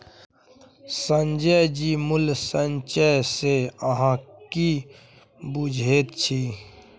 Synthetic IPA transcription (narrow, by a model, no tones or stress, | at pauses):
sənd͡ʒəd͡ʒiːmʊlsənt͡ʃəseəɦãki | bud͡ʒʱeːt̪t͡ʃʰiː